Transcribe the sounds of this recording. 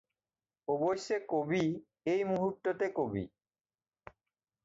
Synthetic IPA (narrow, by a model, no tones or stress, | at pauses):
obojʃːekobi | ejmuɦut̪ːot̪ekobḭ